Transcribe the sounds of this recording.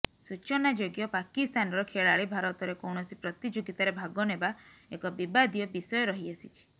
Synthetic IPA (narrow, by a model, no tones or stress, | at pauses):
sut͡ʃɔnad͡ʒoɡjɔpakist̪ʰanɔɾɔkʰeɭaɭibʱaɾɔt̪ɔɾekɔwɳɔsipɾɔt̪id͡ʒoɡit̪aɾebʱaɡɔnebaekɔbibad̪ʱijɔbisɔjɔɾɔɦiasit͡ʃʰi̥